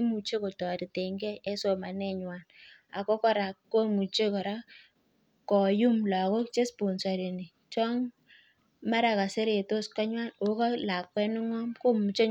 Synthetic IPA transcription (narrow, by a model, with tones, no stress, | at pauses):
mu˨t͡ʃe˦ko˨tɔ˨ɾi˨te˨ŋɡɛ˦e˦so˨ma˨nɛ˦ɲwa˨n | a˨ko˦kɔ˦ɾa˨kkːo˦mu˨t͡ʃe˦kɔ˨ɾa˦ | kɔ˨ju˦mla˨ko˦kt͡ʃe˦spo˨nsa˨ɾi˨ni˨ | t͡ʃɔ˦ŋ | ma˦ɾa˨ka˨se˦ɾe˨to˦ska˦ɲwa˦no˨˦kɔ˦la˨kːwɛ˦nʊ˦ŋɔ˦mko˦mu˨t͡ʃe˦